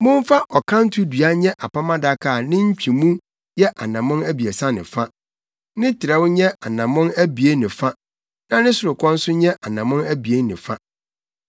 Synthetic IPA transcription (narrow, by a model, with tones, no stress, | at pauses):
mʊ̃˦m˦fa˦ʔɔ˨kʰã˦n̩˦tʰʊ˦dɥa˦ɲɛ̃˦ʔa˨pʰa˦mã˦da˦kʰaː˦˨nɪ̃˦ɲ̩˦t͡ɕᶣʰi˨mũ˦ | jɛ˦ʔa˨nã˨mʊ̃˦næ˦bi˨e˨sa˦nɪ̰̃˨fa˦ | nɪ̃˦tʰɪ˨ɾa˨˦wʊ˦ɲɛ̃˦ʔa˨nã˨mʊ̃˦næ˦bi˨e˦nɪ̃˨fa˦ | nã˦nɪ̃˦sʊ˨ɾʊ˨kʰɔ̃˦n̩˦sʊ˦ɲɛ̃˦ʔa˨nã˨mʊ̃˦næ˦bi˨e˦nɪ̰̃˨fa˦